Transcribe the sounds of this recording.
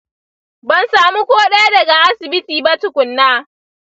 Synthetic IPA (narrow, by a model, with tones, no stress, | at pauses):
bɐ˦nsaː˨mu˦kʷoː˦ɗa˦a˦dɐ˨ɡa˨ʔa˦sɪ˨bɪ˦tiː˨ba˦tʊ˦kʷʊ˨nːaː˦˨